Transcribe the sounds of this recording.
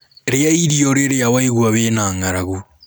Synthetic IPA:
ɾeaiɾioɾeɾeawaiɣwaβeːnaːŋaɾaɣu

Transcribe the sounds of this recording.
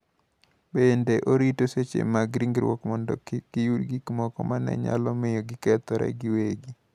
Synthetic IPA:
bendeʔoɾitoset͡ʃḛmaɡɾiŋɡɾwɔkmɔndɔ̰kɪkijudɡikmɔkɔmanɛ̰ɲa̰lɔmɪjoɡɪkɛt̪ɔɾɛ̰ɡɪweɡi

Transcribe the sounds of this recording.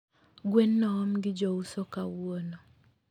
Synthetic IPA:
ɡwenːɔɔmɡɪd͡ʒɔusokawono

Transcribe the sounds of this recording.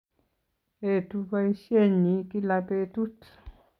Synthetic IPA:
et̪upaiʃeɲikilapet̪ut͡ɬ

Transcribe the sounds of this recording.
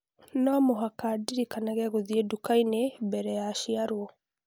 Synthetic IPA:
namoɦakadiɾikanaɣɛɣoðiedukainebɛɾɛjaʃiaɾwɔ

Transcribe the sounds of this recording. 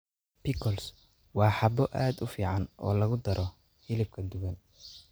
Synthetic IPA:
pʰɪkʰɔls | wɑːħɑbɔʔaːd̪ʊfiːʕɑnʔɔ̰ːlɐɣʊd̪ɐɾʔɔ | hɪlɪb̚kʰɐd̪ʊɣɐn

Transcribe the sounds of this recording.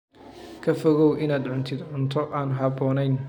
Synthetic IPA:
kʰɐfɔɣɔwʔɪnaːd̪ʕʊnt̪ʰɪd̪ʕʊnt̪ʰɔʔaːnɦɑbɔːnɛjn

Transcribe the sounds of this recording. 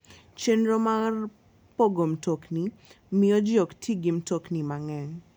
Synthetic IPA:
t͡ʃendɾomar | poɡomtokni | mɪjɔd͡ʒjoktʰiɡɪmtoknimaŋɛŋ

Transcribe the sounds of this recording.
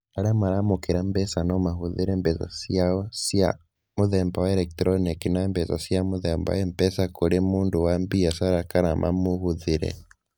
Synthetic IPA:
aɾamaɾamukiɾambɛsanɔmahuðiɾɛmbɛsa̰siaɔsja̰ | muðɛmbawaɛɾɛk̚tɾɔnikinambɛsasiamuðɛmba̰wɛmpɛsakuɾemuːnduwambiasaɾakaɾamʔa̰muhuðiɾɛ̰

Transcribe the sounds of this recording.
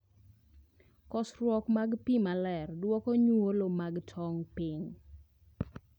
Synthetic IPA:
kɔsɾwɔkmaɡpimalɛrdwɔkɔɲolomaɡtʰɔŋpɪŋ

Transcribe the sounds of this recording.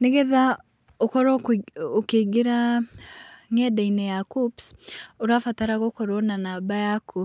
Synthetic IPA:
neɣɛða | okɔɾɔokeɡeɾa | ŋɛdainɛjakupsoɾafataɾaɣokoɾɔnanaːbajaku

